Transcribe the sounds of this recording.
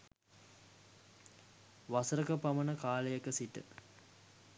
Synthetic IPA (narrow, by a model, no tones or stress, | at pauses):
ʋasəɾəkəpamənəkaːləjəkəsiʈə̰